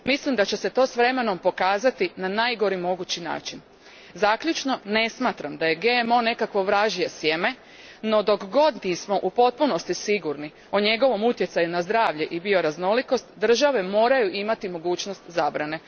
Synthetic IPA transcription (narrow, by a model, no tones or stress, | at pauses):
mislimd̪at͡ɕe̞se̞t̪o̞ːsʋɾe̞me̞no̞mpo̞kaːzat̪inanajɡo̞ɾimo̞ɡut͡ɕina̰ːt͡ʃin | zakʎut͡ʃno̞ne̞smaːt̪ɾamd̪aje̞ɡemo̞ne̞kakʋo̞ʋɾaʒijesjeme̞ | no̞d̪o̞kɡo̞d̪nismo̞ʔupo̞t̪̚puno̞st̪isiɡuɾni | oɲe̞ɡo̞ʋo̞mut̪je̞t̪sajunazd̪ɾaːʋʎeʔibio̞ɾazno̞liko̞st̪d̪r̩ʒaʋe̞mo̞ːɾajuʔimat̪imo̞ɡuːt͡ʃnost̪zaːbɾane̞